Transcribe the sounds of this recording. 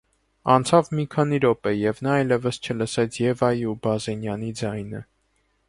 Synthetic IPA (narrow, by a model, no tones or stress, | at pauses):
ɑnt͡sʰɑvmikʰɑniɾɔpɛjɛvn̪ɑɑjlɛvəst͡ʃʰələsɛt͡sʰjɛvɑjiubɑzɛnjɑnid͡zɑjnə